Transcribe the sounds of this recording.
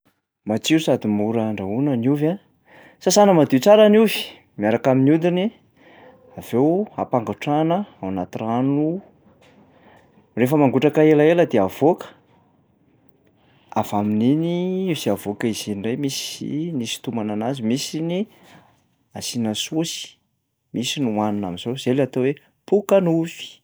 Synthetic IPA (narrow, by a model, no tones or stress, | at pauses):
mat͡siɾusad̪imuɾaɳɖ͡ʐaunəniva | sasanəmad̪it͡saɾanuvi̥ | miaɾakaminud̪ini | av̥ewa̰paŋɡaʈ͡ʂanəawanat̪iranu | refəmaŋɡuʈ͡ʂakaelaeləd̪eav̥okə̥ | avamininiiziavokəiz̥inirejmisinisi̥t̪umananazimisini | asinəsosi̥ | misinuwanuna̰miz̥oz̥elat̪owe | pukənufi̥